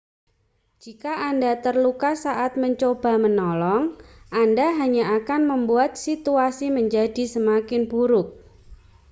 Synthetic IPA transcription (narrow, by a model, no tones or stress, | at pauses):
d͡ʒikaʔandat̪ərlukasaʔat̪̚məɲt͡ʃob̥a̤mənɔlɔŋʔandaɦaɲaakanməmbuat̪̚sit̪uasiməɲd͡ʒadi̤səmakɪnbuɾʊk̚